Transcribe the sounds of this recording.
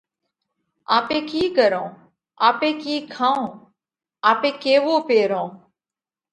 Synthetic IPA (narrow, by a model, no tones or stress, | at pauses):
aːpẽːkiːkəɾõː | aːpẽːkiːkʰãːõː | aːpẽːkeːʋoːpeːɾõː